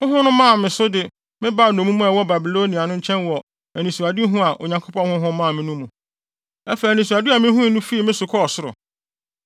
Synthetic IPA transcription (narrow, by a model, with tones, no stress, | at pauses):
hʊ̃˦ɦʊ̃˦nʊ̃˦mã˦˨mɪ̃˨sʊ˦dɪ˨ | mɪ̃˦ba˦˨nũ˨mũ˦mũ˦ɛ˨wɔ˦ba˨bi˨loː˦nĩ˨a˨nʊ̃˦ɲ̩˦t͡ɕʰɛ̃˦nwɔ˨ | ɛ˨nĩ˨su˨a˨di˦ɦũ˦a˨ʔo˨ɲã˨ŋkʰo˦pʰɔ̃˦nhʊ̃˦ɦʊ̃˦mãː˦˨mɪ̃˦nũ˦mũ˨ | ɛ˦fnĩ˨s̬u˨a˨di˦a˨mɪ̃˦ɦũ˦˨˦nũ˦fi˦i˨mɪ̃˦sʊ˨kʰɔ˦ɔ˨sʊ˦ɾʊ̰˨